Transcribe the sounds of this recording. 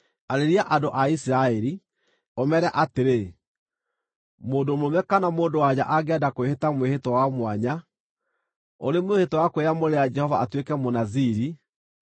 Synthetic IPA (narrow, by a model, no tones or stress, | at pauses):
aɾeɾiaʔadoʔaisiɾaɛɾi | ɔmɛɾaʔateɾe | moːdomomɛkanamoːndowad͡ʑaʔaɡɛdakoehetamwehetɔwamwaɲa | oɾemwehetɔwakoeamoɾead͡ʒɛhɔva̰atwekɛmonaziɾi